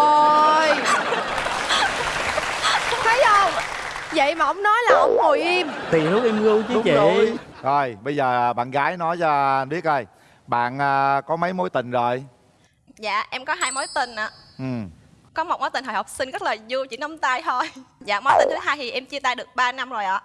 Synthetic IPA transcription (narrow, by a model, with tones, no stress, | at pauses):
o˨j | t̪ʰə˨˦jʔə˧˩w | və̰˧˨jmaː˨˩ʔə˧˦wŋ͡mnɔ˨˦jlaː˨˩ʔə̰˧˦wŋ͡mho˨˩jʔi˧mt̪i˨˩hu˦˥k̚ʔɛ˧mɣɨ˧wt͡ɕːt͡ɕḭ˧˨ | ʔo˨˩jɓə˧jzəː˨˩ɓa̰ː˧˨nɣaː˨˦jnɔ˨˦jzaː˧ɓi˦˥ət̚ʔəː˧˩j | ɓa̰ː˧˨nʔəː˧kɔ˨˦mə˨˦jmo˨˦jt̪ï˨˩ŋ̟zo˨˩j | za̰ː˧˨ʔɛ˧mkɔ˨˦ɦaː˧jmo˨˦jt̪ï˨˩ŋ̟ʔaː˨˦ʔɨ˨˩m | kɔ˨˦mo˨˩t̚mo˨˦jt̪i˨˩ŋ̟ɦɔː˧˨˩hk͡p̚sï˧nɣə˦˥laəː˨˩zu˧wt͡ɕḭ˧˩˥nɔ˨˦ŋ͡mt̪aː˧jt̪ʰo˧jzaː˧˨mo˨˦t̪ï˨˩ŋɨ˨˦tʰaː˧jt̪ʰi˨˩ʔɛ˧mt͡ɕɨ˧t̪aː˧jɗɨ˨˩ək̚ɓaː˧na˧mzo˨˩jʔaː˨˦